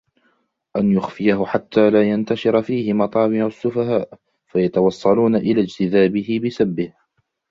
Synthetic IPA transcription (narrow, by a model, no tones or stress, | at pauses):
ʔanjʊxfɪjaɦʊħat̪ːaːlaːjant̪aʃɪɾafiːhɪmɑt̪ˤɑːbɪʕʊasːʊfaɦaːʔ | fajat̪ɑwɑsˤːɑluːnaʔɪlaːd͡ʒt̪ɪðaːbɪhɪbɪsabːɪh